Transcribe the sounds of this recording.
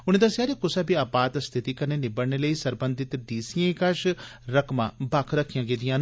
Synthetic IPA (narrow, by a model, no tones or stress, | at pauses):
ʊnẽːd̪əsaːɾeːkʊsaːbiaːbaːt̪st̪ʰɪt̪iːkəneːnɪbəɽneːləiːsəɾbənd̪ɪt̪ɖiːsiẽːkəʃɾəkʰmãːbakʰɾəkʰijãːɡeːd̪ijãːn